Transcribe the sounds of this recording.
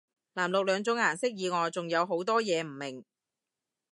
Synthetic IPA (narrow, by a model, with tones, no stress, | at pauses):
laː˨˩mlʊ˨k̚lœː˨˧ŋt͡sʊ˨˥ŋaː˨˩nsɪ˥k̚jiː˨˧ŋɔː˨˧jt͡sʊ˨ŋjɐ˨˧wɦo˨˥wt̪ɔː˥jɛː˨˧m̩˨˩mːɪ˨˩ŋ